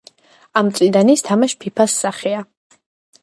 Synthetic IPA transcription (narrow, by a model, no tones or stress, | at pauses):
amsʼid̪anist̪ʰamaʃpʰipʰasːaχia